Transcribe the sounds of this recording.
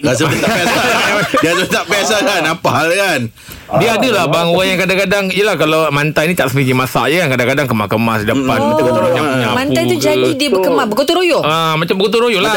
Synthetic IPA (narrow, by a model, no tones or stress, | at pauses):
as̬əəaʔbaaaadias̬əbət̪aʔbəasakanapahalkan | diəadəlahbaŋoɣaŋjaŋkadaŋkadaŋijəlahkalamant̪ajnit̪aʔsəniɲimasa̰ʔjəkankadaŋkadaŋkəmakəmasdəpanmaakatmaɲamɲamanajt̪ud͡ʒadidibəkəmabəkot̪uɾojoəmat͡ʃambəkot̪̬uɾojola